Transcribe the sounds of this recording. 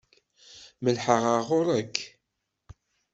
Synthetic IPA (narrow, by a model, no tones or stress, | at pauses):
məlħəʁaʁʊɾˤəkʰː